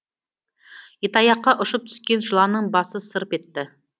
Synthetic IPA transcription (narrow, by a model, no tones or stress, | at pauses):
et̪ɑjɑqːɑʔʊʃəp̚t̪ʰʏ̥skʲe̞nʒəlˠɑnəɴbɑsəsəɾəpe̞t̪ːɪ